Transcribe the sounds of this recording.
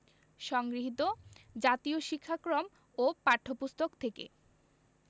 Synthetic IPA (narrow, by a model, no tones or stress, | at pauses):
ʃɔŋɡɾiɦit̪od͡ʑat̪ioʃikʰːakɾom | opaɾʈʰːopust̪ʰokt̪ʰekḛ